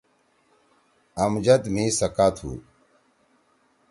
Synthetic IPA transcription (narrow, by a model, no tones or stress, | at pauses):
ɐmd͡ʑɐt̪miːsɐkaːt̪ʰṵː